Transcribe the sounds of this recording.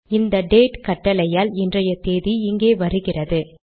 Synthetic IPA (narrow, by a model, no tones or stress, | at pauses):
ɪnd̪ɐɖeːʈkɐʈːɐlɐjaːlɪndrɐjɐt̪eːðiɪŋɡeːʋɐɾɯɣɪrɐðɯ